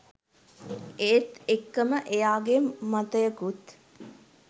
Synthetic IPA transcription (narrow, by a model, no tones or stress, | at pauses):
eːt̪ekːəməʔejaːɡemat̪əjəkut̪